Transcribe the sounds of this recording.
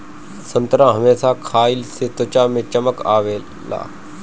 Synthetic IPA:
sə̃nt̪ɾãɦɐmeːsakʰaːɪlset̪ot͡ʃamẽt͡ʃəməka̰ːʋeː | la̰ː

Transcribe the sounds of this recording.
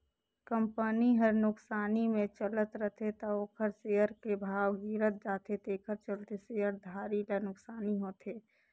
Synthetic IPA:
kə̃mpəniɦəɾnʊksaːnimẽt͡ʃələt̪ɾəɦt̪ʰet̪ɔoːkʰəɾseəɾkebʱaːʋɡiːɾət̪̚d͡ʒaːt̪ʰet̪eːkʰəɾt͡ʃəlt̪eseːəɾd̪ʱaːɾilanʊksaːniɦoːt̪ʰeː

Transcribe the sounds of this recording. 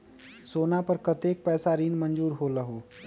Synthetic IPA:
soːnapɐɾkɐt̪eːk̚pɛːsaɾiːnmɐ̃nd͡ʒuːɾɦoːlɐɦoː

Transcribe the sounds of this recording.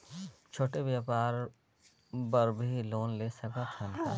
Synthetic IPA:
t͡ʃʰoːʈeʋjaːpaːɾ | bɐɾbʱiloːnleːsɐkət̪ʰən

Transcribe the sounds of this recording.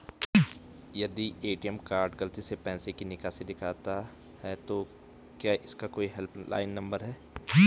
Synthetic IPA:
jɐd̪ieːʈijɛmkaːɾɖɡɐlt̪isepɛ̃ːsekinɪkased̪ɪkʰaːt̪a | ɦɛt̪o | kjaːʔɪskakoːiɦɛlpla̰ːɪnːɐ̃mbəɾɦɛː

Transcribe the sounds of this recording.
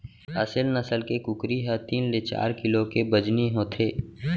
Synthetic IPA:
əsɪlnəsəlkekʊkɾiɦɛt̪iːnlet͡ʃa̰ːɾkɪlokebəd͡ʒniɦoːt̪ʰeː

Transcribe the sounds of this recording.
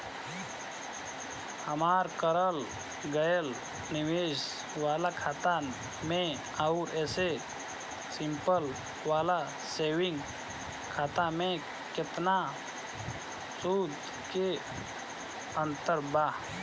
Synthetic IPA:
hɐmaːɾkəɾəl | ɡəjəl | nɪʋeːʃ | ʋaːlakʰaːt̪a | mẽ | aʊɾɛːse | sɪmpəl | ʋaːla | seːʋɪ̃ŋɡ | kʰaːt̪amẽ | kɪt̪na | suːd̪ | ke | ə̃nt̪əɾbaː

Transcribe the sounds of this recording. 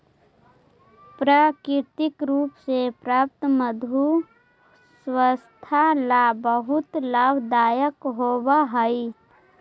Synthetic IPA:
pɾaːkɪɾt̪ɪkɾuːpsepɾaːp̚t̪məd̪ʱu | swəst̪ʰalabəɦʊt̪laːbʱd̪aːjəkɦoːwaɦəi

